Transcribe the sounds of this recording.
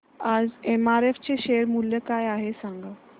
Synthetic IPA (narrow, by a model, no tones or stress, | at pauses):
ad͡zemaɾeft͡ɕeɕeɾmuljəkajaɦesãŋɡa